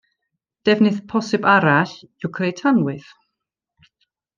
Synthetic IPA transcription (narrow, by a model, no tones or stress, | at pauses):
d̥ɛvnɨθpʰɔsɨbaɾaɬɪwkʰrejtʰanwɨθ